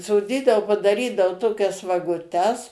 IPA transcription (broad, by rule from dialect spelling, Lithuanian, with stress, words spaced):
soːˈdʲiːdɐoː pɐdɐˈrʲiːdɐoː ˈtoːkʲɛs ʋɐɡʊˈtʲɛs